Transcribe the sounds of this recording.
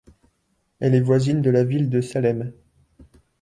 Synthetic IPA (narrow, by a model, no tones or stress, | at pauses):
ɛlɛvwazind̪əlavild̪əsalɛm